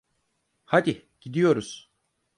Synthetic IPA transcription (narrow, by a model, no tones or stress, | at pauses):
had̪i | ɟ̥id̪ijo̞ɾuz̥